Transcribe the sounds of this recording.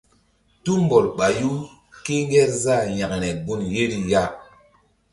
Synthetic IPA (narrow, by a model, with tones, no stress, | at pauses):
tu˦mbo˨lɓa˨ju˦ | ke˦ŋ˦ɡɛ˦ɾza˦˨ja˨kɾɛ˨ɡu˦nje˦ɾi˨ja˦